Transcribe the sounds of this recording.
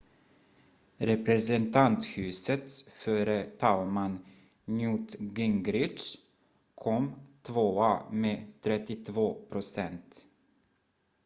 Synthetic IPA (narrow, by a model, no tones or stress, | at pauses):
ɾɛpɾɛsɛnt̪ʰant̪hʉ̟ːsət̪sføːɾət̪ʰalman | njuːt̪ɡɪŋɡɾɪʂ | kʰɔmt̪ʰvoːameːt̪ʰɾɛt̪ːɪt̪ʰvoːpʰɾʊsɛnt̪